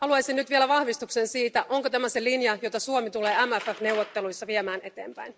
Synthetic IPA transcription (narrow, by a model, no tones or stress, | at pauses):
ɑluɑjsinnyt̪ʋielæʋɑhʋist̪uksensiːt̪æʔoŋkot̪æmæse̞linjɑjot̪ɑsuomit̪ule̞ːæmæfæfne̞uwʋːot̪ːelujsːɑʋiemæːne̞t̪eːmpæ̰in